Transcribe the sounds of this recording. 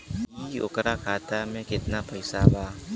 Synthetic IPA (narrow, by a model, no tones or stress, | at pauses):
iʊ̰kɾakʰaːt̪amẽkɪt̪napɐɪsabʱaː